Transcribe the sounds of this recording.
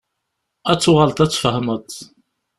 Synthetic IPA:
æt͡sːʊʁalt̪æt͡sːfəhmət̪ˤ

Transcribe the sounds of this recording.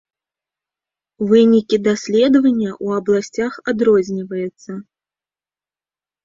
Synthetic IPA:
vɨnʲikʲid̪asʲlʲɛd̪ɐvɐnʲːɐʔuɐblˠasʲt͡sʲaxad̪ɾɔzʲnʲivɐjɛt̪sːɐ

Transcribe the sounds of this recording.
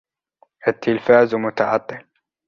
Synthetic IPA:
ʔat̪ʰːɪlfaːzmʊt̪ɑʕɑt̪ˤːɨ

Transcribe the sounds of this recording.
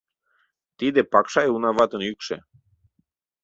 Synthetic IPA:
t̪id̪epɑkʃɑjunɑβɑt̪ə̆nykʃḛ

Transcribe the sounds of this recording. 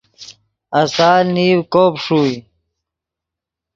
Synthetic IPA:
ɐsaːlniːwkoːpʂuːj

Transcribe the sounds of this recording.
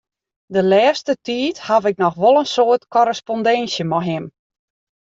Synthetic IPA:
dəlɛːstətiːthafɪk̚nɔxʋɔlˠənsoətkɔɾəspɔndɛnsjəmɔɦɪm

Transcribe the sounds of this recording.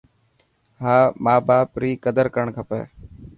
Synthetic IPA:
ɦaːmaːbaːpɾiːkəd̪əɾkəɾəɳkʰəpḛː

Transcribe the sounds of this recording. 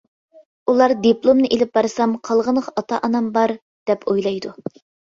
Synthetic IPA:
ulˠɑɾd̪iplˠomnɨʔelɪp̚bɑɾɨsɑmqʰɑlˠʁənʁɑɑt̪ʰɑʔɑnɑmbɑɾ | d̪̥ɛpʰojlˠɑjd̪u

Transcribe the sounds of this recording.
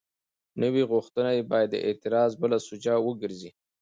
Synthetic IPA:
nəwiɣʊxt̪ənajebɑjad̪ːə̰ʔɪ̰t̪ɪɾɑzbəlasʊd͡ʒawəɡəɾzi

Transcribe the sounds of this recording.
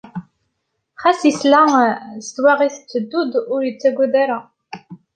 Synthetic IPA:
χæsislæst̪waʁiθt͡sːəd̪ːud̪ʊɾjət͡sːæɡʷud̪æɾa

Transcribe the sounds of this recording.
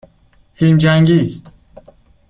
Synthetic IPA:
filmd͡ʒæŋɡiːst̪

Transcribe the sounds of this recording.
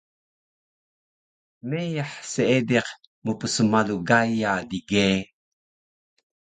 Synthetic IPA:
mejaħseedeq | mupəsəmaluɡajadiɡe

